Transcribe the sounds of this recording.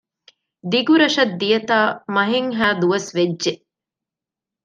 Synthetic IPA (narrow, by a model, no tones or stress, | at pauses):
d̪iɡuɾɐʃɐd̪ːijɐt̪aːmɐɦeŋɦæːd̪uʋɐsʋed͡ʒːʒeʔ